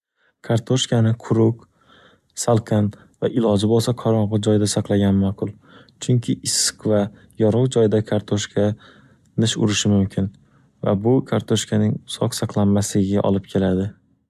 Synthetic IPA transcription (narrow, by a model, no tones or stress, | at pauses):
kʰaɾt̪ʰoʃkʲʰanɪqʰʊɾʊq | salˠqʰɑn | vaʔɪlɒd͡ʒɪbolˠsaqʰɒɾɒɴʁʊd͡ʒɒjd̪asaqlˠaɡʲanmaqʰʊlˠ | t͡ʃʰʊŋkʲʰɪʔɪsqva | jɒɾɒwd͡ʒɒjɪd̪akʰaɾt̪ʰoʃkʲʰa | nɪʃʊ̰ɾɪʃɪmʊmkʲʰɪn | va̰bʊkʰaɾt̪ʰoʃkʰanɪŋʊsɒqsɑqlˠanmaslɪɡʲɪɡʲa̰ʔɒ̰lˠɪp̚kʲʰe̞lad̪ɪ